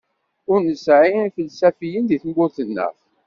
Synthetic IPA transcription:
ʊɾnəsʕiiθəlsæfijənðiθəmɡʊθənːə̰f

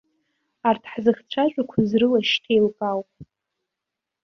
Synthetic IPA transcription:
artʰħzɨχt͡ɕʷʰat͡ʃʷʼakʷʰazrɨlaʃtʰejlkʼawpʼ

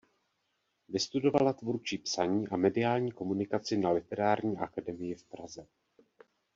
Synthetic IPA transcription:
vɪst̪udo̞valat̪vuɾt͡ʃiːpsaɲiːʔamɛdɪaːlɲiːko̞munɪkat͡sɪnalɪt̪ɛɾaːɾɲiːʔakadɛmɪjɪfpɾazɛ

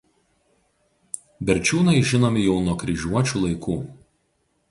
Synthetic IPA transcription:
bʲɛɾʲt͡ʃʲuːnɐɪʒʲɪnoːmʲɪjɛʊnuɔkɾʲɪʒʲuɔt͡ʃʲuːlˠɐɪkuː

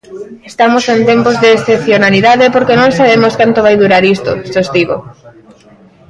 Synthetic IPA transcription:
est̪amosent̪empozðeːsθepθjonaliðaðepoɾkenõŋsaβemoskant̪oβajðuɾaɾist̪o̰ʃost̪iɣo̰

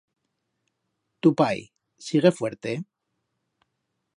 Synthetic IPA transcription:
t̪upaj | siɣ̞e̞fwe̞ɾt̪e

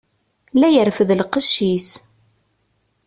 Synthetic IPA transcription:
læjərfəðlqəʃːis

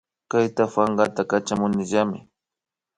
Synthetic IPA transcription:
kajt̪afaŋɢat̪akat͡ʃamʊnɪʒamɪ̰

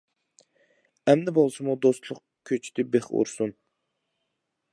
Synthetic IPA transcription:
ɛmnɪbolˠsɨmud̪ost̪lˠʊq | kʲʰøt͡ʃʰi̥d̪ɪbeχṵɾsun

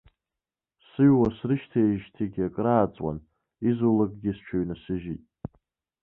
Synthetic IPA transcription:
sɨɥwasrɨʃtʰeʒtʰiɡʲakʼraːt͡sʼwa̰n | izulakʼɡʲɪst͡ʃʷʰaɥnasɨʒitʼ

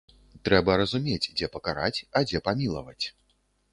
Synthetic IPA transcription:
t̪ɾɛbɐɾɐzumʲet͡sʲd͡zʲɛpɐkaɾa̰t͡sʲɐd͡zʲɛpamʲilˠɐ̰vɐt͡sʲ

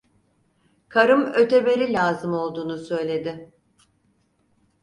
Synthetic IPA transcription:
kʰaɾɯmø̞t̪ʰebe̞ɾilʲaːzɯmo̞lˠd̪uːnusø̞jlʲe̞d̪ɪ

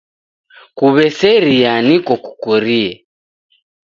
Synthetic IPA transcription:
kuβɛsɛɾianikɔkukɔɾiɛ

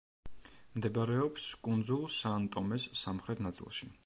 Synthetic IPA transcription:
md̪ɛbaɾɛɔpskʼund̪zulˠsant̪ʼɔmɛsːamχɾɛt̪ʰnat̪sʼḭlˠʃi

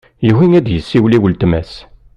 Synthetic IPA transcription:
jəɦinæd̪jəsːiwliwəlt̪mæs

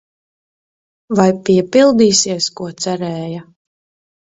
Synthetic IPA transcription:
vajpʲiɛpilˠd̪iːsiɛskuɔt̪sæɾɛːja

